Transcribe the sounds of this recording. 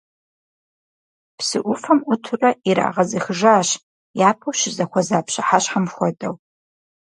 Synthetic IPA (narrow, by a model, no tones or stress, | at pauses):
psɨʔʷʊfɐmʊtʰʊrɐiɾa̰ːʁɐzɐxɨʒaːɕ | jaːpʰɐwʃɪzɐxʷɐzaːpʰɕaħaɕħamxʷɔdʼɐw